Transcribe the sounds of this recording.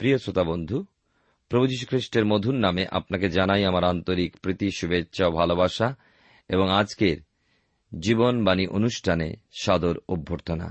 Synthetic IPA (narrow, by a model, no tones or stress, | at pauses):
pɾijosɾot̪abond̪ʱu | pɾobʱud͡ʑiʃ̬u̥kʰɾiʃʈeɾmod̪ʱunːameʔa̰pnaked͡ʑanajamaɾant̪oɾikpɾit̪iʃubetːɕʰaobʱalobaʃa | eboŋad͡ʑkeɾ | d͡ʑibonbaniʔonuʃʈʰanḛʃad̪oɾubʱːoɾt̪ona̰